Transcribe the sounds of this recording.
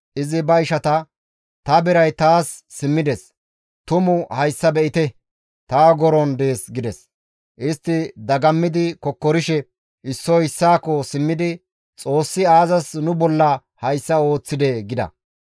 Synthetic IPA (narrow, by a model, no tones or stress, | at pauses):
ʔɪzɪbɐɪʃɐt̪ɐ | t̪ɐbɪɾɐjt̪aːsː | ɪmːɪd̪ɛs | t̪ʊmʊhɐjsːɐbɛʔɪt̪ɛ | t̪aːɡɔɾɔnd̪e̞ːsɡɪd̪ɛs | ʔɪst̪ːɪd̪ɐɡɐmːɪd̪ɪkɔkːɔɾɪʃɛ | ʔɪsːɔɪsːaːkːɔsɪmːɪd̪ɪ | t͡sʼo̞ːsːɪaːzɐsnʊbɔlːɐ | hɐjsːɐo̞ːt͡sːɪd̪ɛɡɪd̪ɐ̰